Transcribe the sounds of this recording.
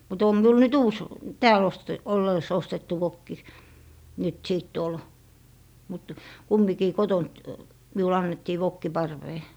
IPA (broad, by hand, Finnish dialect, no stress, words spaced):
mut om miul nyt uːs tæːl oste olːeis ostetːu ʋokːi nyt siˑt tuol mut kumːikiː kotont miul ɑnːetːiː ʋokːi pɑrʋeː